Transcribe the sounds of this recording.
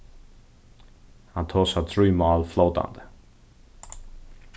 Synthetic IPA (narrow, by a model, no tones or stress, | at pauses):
ãnt̪ʰɔsəθɹiːmaɪlˠfloʊtã̰nd̪